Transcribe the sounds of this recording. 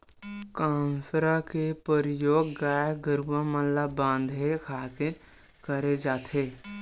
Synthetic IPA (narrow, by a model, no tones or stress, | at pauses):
kaːmpɾakepəɾɪjoːɡːaːjɡəɾuʋamə̃llabãːnd̪ʱekʰaːt̪ɪɾ | kəɾed͡ʒaːt̪ʰeː